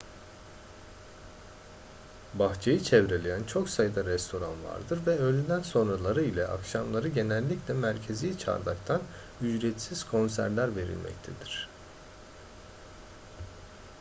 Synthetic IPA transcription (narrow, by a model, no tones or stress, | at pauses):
baxt͡ʃʰejɯt͡ʃʰɛvɾelʲejænt͡ʃʰo̞ksajɯd̪aɾɛst̪ʰo̞ɾa̰nva̰ɾd̪ɯɾvɛølʲynd̪ænso̞nɾalˠaɾɯilʲɛʔakʃamlˠaɾɯɟe̞nɛlʲːiclʲɛmæɾcʰe̞zijt͡ʃʰa̰ɾd̪akt̪ʰan | yd͡ʒɾɛt̪siz̥kʰo̞nsæɾlʲæɾve̞ɾḭlʲmʔɛ̰c̚t̪ʰed̪iɾ̥